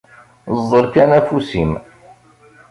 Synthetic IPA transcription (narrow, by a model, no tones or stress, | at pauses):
zˤːəlkænæfusim